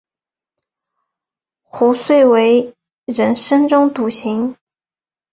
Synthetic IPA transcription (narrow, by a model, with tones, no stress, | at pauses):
xu˧˥swe˥˩ɪwe˧˥ɪ | ɻə˧˥nʂə˥nʈ͡ʂʊ˥ŋt̪u˧˥˩ɕi˧˥ŋ